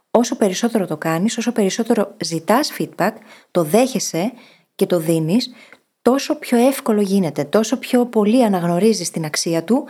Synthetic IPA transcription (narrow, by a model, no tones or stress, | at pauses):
o̞so̞pe̞ɾiso̞t̪e̞ɾo̞t̪o̞kɐniso̞so̞pe̞ɾiso̞t̪e̞ɾo̞zit̪ɐsfid̪̚bɐkt̪o̞ðe̞çe̞se̞ | ce̞t̪o̞ðinis | t̪o̞so̞pço̞e̞fko̞lo̞ʝine̞t̪e̞t̪o̞so̞pço̞po̞liɐnɐɣno̞ɾizist̪inɐksiɐt̪u